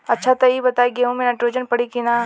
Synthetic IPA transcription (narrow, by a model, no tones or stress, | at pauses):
ɐtːʃʰat̪ɐibɐt̪aːiɡeɦũmẽnaʈɾoːd͡ʒənpɐɽikina